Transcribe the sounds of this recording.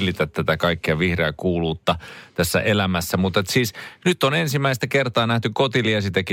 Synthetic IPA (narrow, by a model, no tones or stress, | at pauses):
lːˑit̪æt̪t̪æt̪ækɑikːiɑʋihreækuːluːt̪ːɑt̪æsːæ̰ʔelæmæsːæmut̪et̪siːsnyt̪ːonensimːæist̪ækert̪ɑːnæht̪ykot̪iliɑsit̪æki